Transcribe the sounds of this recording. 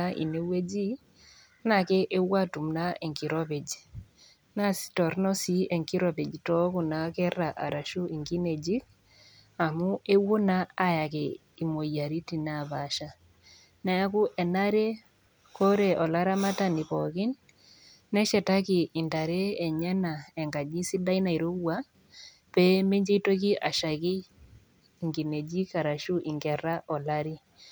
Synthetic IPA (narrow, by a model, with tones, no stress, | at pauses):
aʔḭ˨ne˦we˦d͡ʒi˦ | na˨ke˦ʔe˦wa˦tu˨mna˦e˨ŋki˨ɾɔ˦pe˨d͡ʒ | na˦si̥tɔ˨ɾnɔ˦si˦ɛ˨ŋki˦ɾɔ˨pe˨d͡ʒtɔ˦ku˨na˨kɛ˦ra˨ʔa̰˨ɾa˨ʃu˦i˨ŋki˦ne˨d͡ʒi˦k | a˨mu˦e˦wo˦naa˦ja˨kɛ˨ | i˨mo˨ja˨ɾi˦ti˨naβa˨ʃa˦ | na˨ja˦ku˦ʔɛ˨naɾe˦ | kɔ˦ɾɛ˨ʔɔ˨la˦ɾa˦ma˦tani˨pɔ˨ki˦nː | ɛ˦ʃɛ˨ta˦ki˨ʔi˨nta˨ɾe˦ɛ˨ɲɛ˦na˨ɛ˨ŋɡa˨d͡ʒi˦si˦da˦ina˨i˨ɾo˦wa˦ | pɛ˦me˦ɲd͡ʒe˦to˦ki˦ʔa˨ʃa˨kiː˦ | ŋɡi˨ne˨d͡ʒi˦ka˨ɾa˨ʃu˦ʔi˨ŋɡɛ˨ɾa˦ʔɔ˨la˦ɾi˦